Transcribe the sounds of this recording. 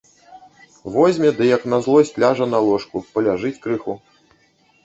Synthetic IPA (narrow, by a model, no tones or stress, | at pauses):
vɔzʲmʲɛd̪ɨjɐknɐzlˠɔsʲlʲaʐɐnɐlˠɔʂkupɐlʲaʐɨt͡sʲkɾɨxu